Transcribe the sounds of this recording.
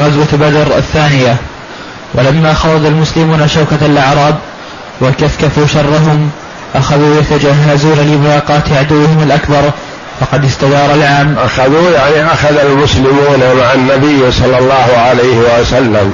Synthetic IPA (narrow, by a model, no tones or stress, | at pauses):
ɣazwabad̪ɾˤa̰θːaːnɪja | wʔalamːaːxɑɾˤɑd̪almʊslɪmuːnaʃawkaalʔaʕɾˤɑːb | wakaθkafuːʃɑrˤːɑɦʊm | ʔaxaðuːjat̪ad͡ʒaɦːazuːnalɪmʊlɑːqɑːt̪ʕad̪ʊwːɪhɪmalʔakbɑɾˤ | fɑqɑd̪ɪst̪ad̪ɑːɾˤɑlʕaːmʔaxaðuːjaʕniʔaxaðalmʊslɪmuːnamaʕanːabɪjːsˤɑlːɑlˤːɑːhʊʕalajhɪwasalːam